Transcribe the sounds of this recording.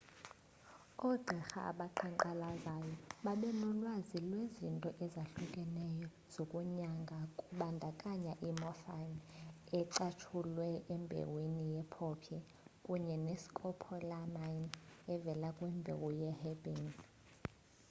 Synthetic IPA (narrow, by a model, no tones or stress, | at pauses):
ɔɡ͡ǃʱɛxa̰ʔa̰ɓaǃʰɛŋǃalazajɔɓaɓɛnɔlwazilwezintʼɔʔɛzaɬukʼɛnɛjɔ | z̥okʼuɲaŋɡʱakʼuɓandʱakʼaɲaʔimɔfanɛǀat͡ʃʰulwɛʔɛmbʱḛwinijɛpʰɔpʰjɛ | kʼuɲɛnesi̥kʼɔpʰɔlamajnɛvɛlakʼwɛmbʱḛwujɛhɛɓin